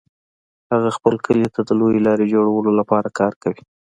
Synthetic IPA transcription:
haɣaxpəlkəlit̪ad̪əlojelɑɾed͡ʒoɽawəlolapɑɾakɑɾkawi

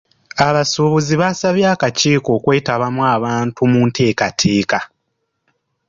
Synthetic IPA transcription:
aβasuβuziβasaβjaːkaciːko̞ːkwe̞ːtaβamwaːβaːntumuːntʰe̞ːkatʰe̞ːka

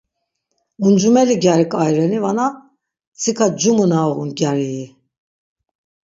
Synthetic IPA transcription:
und͡ʒumɛliɡʲjaɾikʼajɾɛnivana | t͡sʰikʰad͡ʒumənaɣunɡjaɾii

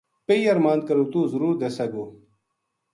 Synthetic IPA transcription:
peijɐɾmãːnd̪̚kɐɾut̪uːzuɾuːɾd̪esɐɡuː

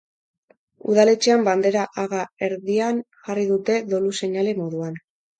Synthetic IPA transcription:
ṵð̞ale̞t͡ʃe̞amband̪e̞ɾaʔaɣae̞ɾðian | ʝariðut̪e̞ðo̞luse̞ɲale̞mo̞ðuan

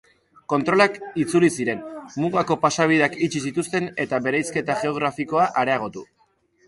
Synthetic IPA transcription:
ko̞nt̪ɾo̞lakit͡sulisiɾe̞nmuɣako̞pasaβ̞ið̞eakit͡ʃis̬it̪ust̪e̞ne̞t̪aβe̞ɾejske̞t̪aʝe̞o̞ɣ̞ɾafiko̞aʔaɾe̞aɣ̞o̞t̪u

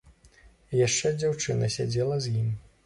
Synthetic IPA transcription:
jaʂt͡ʂɛd͡zʲawt͡ʂɨnɐsʲad͡zʲɛlˠɐzjim

